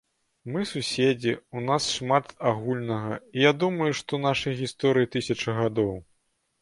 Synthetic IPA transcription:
mɨsusʲed͡zʲiunasʂmat̪aɣulʲnɐɣɐijad̪umɐjuʂt̪ɔnaʂɐjɣʲist̪ɔɾɨjit̪ɨsʲɐt͡ʂɨɣad̪ɔw

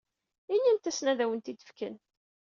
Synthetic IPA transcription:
inːint̪æsnæðæwənt̪id̪ə̥fkə̰n

